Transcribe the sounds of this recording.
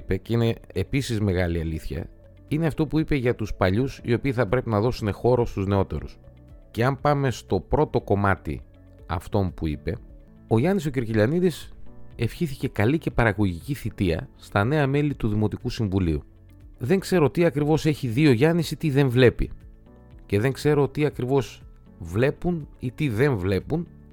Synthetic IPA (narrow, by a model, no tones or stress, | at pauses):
pe̞ceine̞episizme̞ɣɐliɐliθçɐ̰ | ineɐft̪o̞puipe̞ʝɐt̪uspɐʎusḭo̞piːθɐpɾe̞pinɐðo̞sune̞xo̞ɾo̞st̪uzne̞o̞t̪e̞̰ɾṵs | ce̞ɐmpɐme̞st̪o̞pɾo̞t̪o̞ko̞mɐt̪ḭ | ɐ̰ft̪o̞mpuipe̞ | o̞ʝɐniso̞ciɾciʎɐniðise̞fçiθice̞kɐlice̞pɐɾɐɣo̞ʝiciθit̪iɐ̰st̪ɐne̞ɐme̞lit̪uðimo̞t̪ikusiɱvuliu | ðe̞ŋkse̞ɾo̞t̪iɐkɾivo̞se̞çiðio̞ʝɐnisit̪iðe̞ɱvle̞pḭ | ce̞ðe̞ŋkse̞ɾo̞t̪iɐkɾivo̞z | vle̞punit̪iðe̞ɱvle̞pun